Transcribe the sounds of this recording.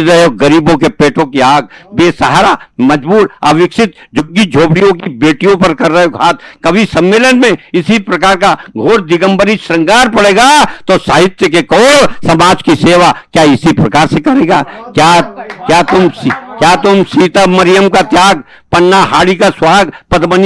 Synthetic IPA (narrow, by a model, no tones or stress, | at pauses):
ɾɐɦeoɡɐɾiːbõkepeːʈõkiaːɡ̚beːsaɦaɾamɐd͡ʒbuːɾa̰ːʋɪkʃɪt̪̚d͡ʒʊɡːid͡ʒʱoːpɽijõkibeːʈijõpɐɾkɐɾːɐɦeoɡʱaːt̪̚kɐbʱisɐ̃mːeːlənmẽɪsipɾɐkaːɾkaɡʱoːɾd̪ɪɡə̃mbəɾiʃɾɐ̃ŋɡaːɾpɐɽeːɡaːt̪osaːɦɪt̪jəkekɔːɽsɐmaːd͡ʒkiseːʋakjaːɪsipɾɐkaːɾsekɐɾeːɡaːkjaːkjaːt̪ʊmskjaːt̪ʊmsiːt̪amɐɾɪjəmkat̪jaːɡ | pɐnːaɦaːɽikaswaːɡpɐd̪bən